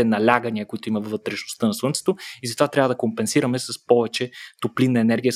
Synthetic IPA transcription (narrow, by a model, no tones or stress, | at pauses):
ɛnɐlʲaɡəniəkoit̪ʊimɐvːət̪ɾɛʃno̥st̪ənɐswˠənt̪sɛ̥t̪oizɐt̪ovat̪ɾʲavɐəd̪ɐkompɛnsiɾɐmɛsɐspɔvɛt͡ʃɛt̪oplinːɐɛnɛɾɡʲijə